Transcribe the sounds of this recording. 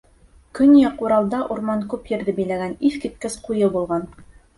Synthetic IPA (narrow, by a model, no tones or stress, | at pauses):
kɵnjɑquɾɑlˠd̪ɑʔuɾmɑŋkʉpjɘ̆ɾðɘbɘ̆jlæɡæniθkit̪̚kɘsqujɤbulˠʁɑn